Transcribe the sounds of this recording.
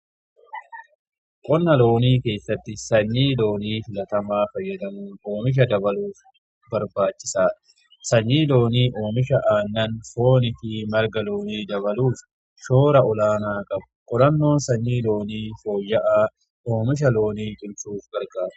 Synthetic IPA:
kʼɔnːɐlo̞ːniːke̞ːsːɐt̪ːɪsɐɲːiːlo̞ːniːfɪlɐt̪ɐmaːfɐjːɐd̪ɐmuːnoːmɪʃ̬ɐd̪ɐbɐluːf | bɐɾbaːt͡ʃːɪ̥saː | sɐɲːiːlo̞ːniːʔo̞ːmɪʃɐʔaːnːɐnfo̞ːnɪfɪmɐɾɡɐlo̞ːniːd̪ɐβɐluːf | ʃo̞ːɾɐʔɔlaːnaːkʼɐbʊkʼɔɾɐnːo̞ːnsɐɲːiːlo̞ːniːfo̞ːjːɐʔaː | ʔoːmɪʃ̬ɐlo̞ːniːt͡ʃʼʊlt͡ʃuːfɡ̥ɐɾɡaːɾʊ̥

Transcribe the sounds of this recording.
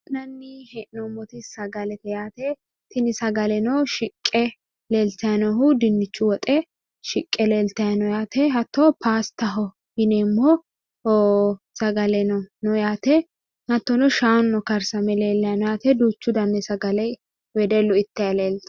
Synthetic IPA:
nɐnːɪhɛʔnɔmːɔt̪ɪsɐɡɐlɛt̪ɛjaːt̪ɛ | t̪ɪnɪsɐɡɐlɛnɔʃɪkʼːɛ | leːlt̪ɐjɐnɔɦʊd̪ɪnːɪt͡ʃːʊwɔt̪ʼɛ | ʃɪkʼːɛleːlt̪ɐjɐnɔjaːt̪ʰɛɦɐt̪ːɔpʰaːst̪ɐɦɔ | hɪnɛmːɔ | oː | sɐɡɐlɛnɔnɔjaːt̪ɛ | hɐt̪ːɔnɔʃaːnːɔkɐɾsɐmɛleːlːɐjɐnɔjaːt̪ɛd̪uːt͡ʃːʊd̪ɐnːɛsɐɡɐlɛ | wɛd̪ɛlːɔɪt̪ːɐjɐleːlt̪ɐ̥

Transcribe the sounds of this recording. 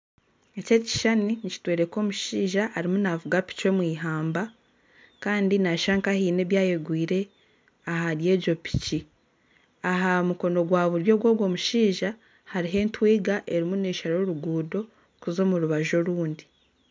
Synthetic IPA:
ececi̥ʃaninici̥tweːɾe̞ko̞ːmuʃiːʒahaɾimunavuɡapi̥cwemwiːɦaːmba | kaːndinaʃaːŋkahiːne̞ːβjaːje̞ɡwiːɾe̞ | aɦaɾje̞ːɟo̞pi̥ci | aɦamuko̞no̞ɡwaːβuɾjo̞ːɡwo̞ːɡwo̞ːmuʃiːʒa | haɾiɦe̞ːntwiːɡaʔeɾimuneːʃaɾo̞ɾuɡuːdo̞ | kuzo̞ːmuɾuβaʒo̞ɾuːndi

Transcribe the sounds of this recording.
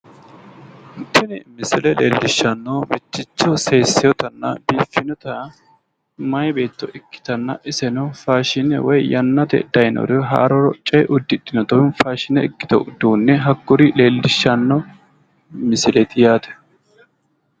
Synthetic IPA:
t̪ːɪnɪmɪsɪlɛlḛːlːɪʃːɐnːoːmɪt͡ʃːɪt͡ʃːɔseːsːɪjɔt̪ɐnːɐ̰biːfːɪnɔt̪ɐ | mɐjbe̞ːt̪ːɔʔɪkːɪ̥t̪ɐnːɐʔɪsɛnɔfaːʃɪnɛwɔjjɐnːɐt̪ɛ̰d̪̥ɐjnɔ̰ɾɛɦa̰ːɾɔɾɔt͡ʃʼɛjʔʊd̪ːɪᶑ̪ɪnɔt̪ɔnfaːʃɪnɛɪkːɪ̥t̪ɔ̰d̪uːnːɛɦɐɡːʊɾile̞ːlːɪʃːɐnːɔ | mɪsɪlɛt̪ɪjaːt̪ɛ̥

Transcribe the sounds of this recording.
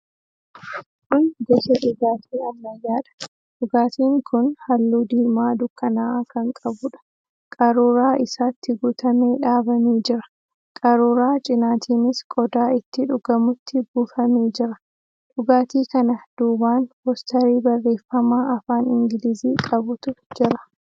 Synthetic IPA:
kʊnɡɛʃɐᶑʊɡaːt̪ʰiːɐmːɐjaːᶑɐ̥ | ᶑʊɡaːt̪iːŋkʰʊnhɐlːuːd̪iːmaːd̪ʊkːɐnaːkɐŋkʼɐbʊᶑɐ̥ | kʼɐɾuːɾaːʔɪsaːt̪ːɪɡʊt̪ʰɐme̞ːᶑaːbɐmeːd͡ʒɪɾɐ̥ | kʼɐɾuːɾaːt͡ʃʼɪnaːt̪ʰiːnɪskʼɔd̪aːɪt̪ːɪᶑʊɡ̥ɐmʊt̪ːɪɡufɐme̞ːd͡ʒɪɾɐ | ᶑʊɡaːt̪iːkɐnɐd̪̥uːbaːnhɔst̪ɐɾiːbɐrːe̞ːfːɐmaːʔɐfaːnɪŋɡɪliziːkʼɐbʊt̪ʊd͡ʒɪɾɐ̥

